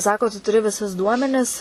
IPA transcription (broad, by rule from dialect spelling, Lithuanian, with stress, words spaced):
ˈsɑːkoː tʊ tʊˈrʲɪ ʋʲɪˈsʊs ˈduɔmʲɛnʲɪs